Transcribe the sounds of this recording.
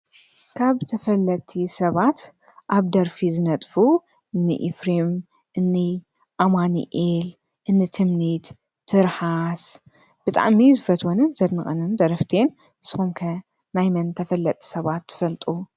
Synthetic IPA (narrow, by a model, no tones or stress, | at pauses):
kʰaβt̪ʰɐfɐlːɐt̪ʼʰisɐβat̪ | ʔaβd̪ɐɾfizɨnɐt̪ʼfu | ʔɨnːɨ̰ʔḭfɾim | ʔɨnːi | ʔamanḭʔel | ʔɨnːɨt̪ʰɨmnit̪ʰː | ɨɾħas | b̥ɨt̪ʼa̰ʕmizɨfɐt̪ʰwonɨnzɐd̪mɨχʼɐnɨnd̪ɐɾɐft̪ʰen | ʔɨsɨxumkʰɐ | najmɐnt̪ʰɐfɐlːɐt̪ʼʰi̥sɐβat̪ʰːɨ̥fɐlt̪ʼu